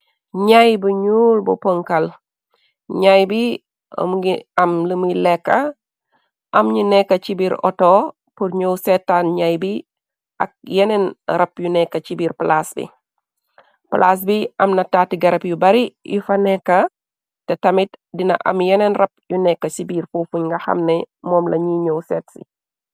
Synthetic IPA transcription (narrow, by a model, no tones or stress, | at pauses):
ɲajbuɲuːlbɔ̰poŋkɐl | ɲajbḭ | mɡiɐmləmjlɛkːɐ | ʔɐmɲunɛkːɐt͡ʃibiɾɔ̰to | purɲowsɛtːanɲajbi | ʔɐ̰k̚jɛnɛnɾɐpjunɛkːɐt͡ʃibiːrplasbḭ | plʔaːs̬biʔɐmnɐtaːtiɡɐɾɐpjubɐɾijufɐnɛkːɐ | tɛtɐmit̚dinɐ̰ʔɐ̰mjɛnɛnrɐp̚junɛkːɐsibiːrfuːfuɲŋɡɐxɐ̰mnɛmɔːmlɐɲiɲowsɛːtsḭ